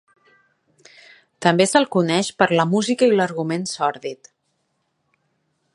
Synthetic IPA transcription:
t̪əmbesəlˠkunɛʃpəɾləmuzikəiləɾɣumensɔɾðit̪

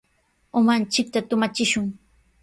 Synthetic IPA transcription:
ʊmant͡ʃɪk̚t̪at̪ʊmat͡ʃɪʃʊŋ

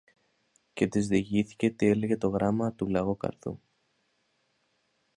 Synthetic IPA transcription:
ce̞t̪izðiʝiθi̥ce̞t̪ie̞le̞ʝe̞t̪o̞ɣɾɐmɐt̪ulɐɣokɐ̰ɾt̪ṵ

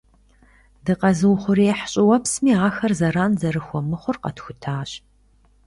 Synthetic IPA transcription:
dɨqɐzɨwʊχʷʊɾiħɕʼɪwɐpsmiːaːxɐrzɐɾaːnzɐɾɨxʷɔmɨχʷʊrqɐ̰txʷʊtʰaːɕ

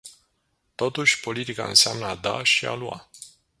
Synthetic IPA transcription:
t̪o̞t̪uʃʲpo̞lit̪ika̰ɨ̰nseamnəad̪a̰ʃia̰lua̰

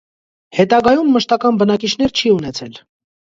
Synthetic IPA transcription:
hɛt̪ɑɡɑjumːəʃt̪ɑkɑnbənɑkit͡ʃʰn̪ɛɾt͡ʃʰiunɛt͡sʰɛl

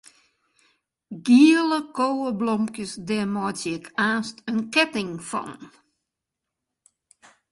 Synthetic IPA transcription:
ɡiələkowəblɔmkjəsdɛmɔjtɛkʰaːstənkɛtɪŋfɔ̰n

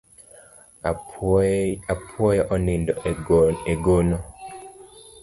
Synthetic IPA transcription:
apʰwɔjɔʔɔnindɔeɡonɔ

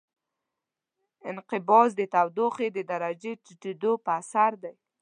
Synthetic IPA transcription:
ɪnqɪbɑzd̪ət̪awd̪oxed̪əd̪aɾad͡ʒet͡ʃiʈed̪opəasaɾd̪aj

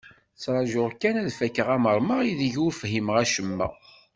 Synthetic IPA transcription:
t͡sːɾˤɑʒʊʁkːænæðfækːəʁæməɾˤməʁiðʝufɦimʁæʃəmːæ̰

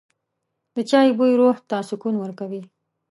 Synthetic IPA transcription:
d̪ət͡ʃɑjbujɾoht̪asʊkunwəɾkawi

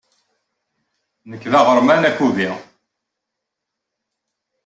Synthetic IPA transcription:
nəkːðɑʁəɾˤmænækːuvi

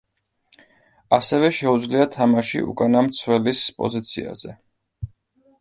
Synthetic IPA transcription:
asɛvɛʃɛud̪zliat̪ʰamaʃḭʔṵkʼanamt̪sʰwɛlispʼɔ̰zit̪sʰḭa̰zɛ

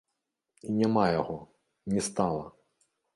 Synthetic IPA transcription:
inʲɛmɑjɔɦɔ | nʲist̪ɑlˠɐ

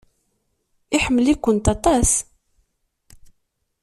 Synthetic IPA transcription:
ɪħəmːəlikʷːənt̪ɑt̪ˤɑs

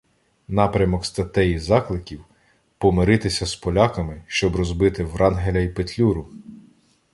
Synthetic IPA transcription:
nɑpɾʲɐmɔkst̪ɐt̪ɛjizɑklˠɪkʲiw | pɔmɪɾɪt̪ɪsʲɐspɔlʲɑkɐmɪʃt͡ʃɔbrɔzbɪt̪ɪwɾɑnɦelʲɐjipet̪ʲlʲuɾʊ

